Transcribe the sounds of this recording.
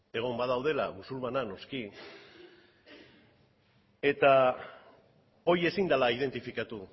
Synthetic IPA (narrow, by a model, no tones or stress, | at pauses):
e̞ɣ̞o̞mbaðawð̞e̞la̰βusuɾβanano̞ski | e̞t̪a | o̞je̞sind̪alaið̞e̞nt̪ifikat̪u